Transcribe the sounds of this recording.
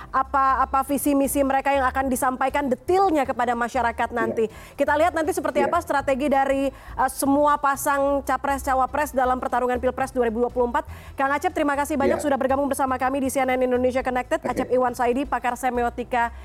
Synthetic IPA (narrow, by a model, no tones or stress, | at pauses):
ʔapaːpafisimisiməɾekajaŋakandisampajkandət̪ɪlɲakəpadamaʃaɾakat̪̚nant̪i | kit̪aliɦat̪nant̪isəpərt̪iapast̪ɾat̪eɡidaɾisəmuapasaŋt͡ʃapɾɛst͡ʃawapɾɛsdalampərt̪aɾuŋanpilpɾɛsduaɾibuduapuluəmpat̪̚kaŋat͡ʃɛp̪̚əɾimakasihbaɲak̚sudahbərɡamʊŋbərsamakamidisiɛnɛnindonesiakonɛk̚t̪ɛt̪̚at͡ʃɛp̚iwansaidipakarsɛmeot̪ika